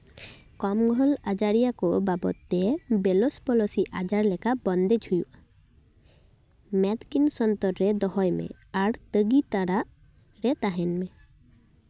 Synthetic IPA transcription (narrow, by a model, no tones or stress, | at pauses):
kɔmɡʱɔlad͡ʒaɾijakɔbabɔ̰t̪ːebelospɔlɔsiʔad͡ʒaɾlɛkabɔnd̪ed͡ʒʰʱujuʔa | mɛd̪kinsɔnt̪ɔɾɾed̪ɔɦɔjmḛ | aɾt̪əɡit̪aɽaʔ | ɾet̪aɦɛnme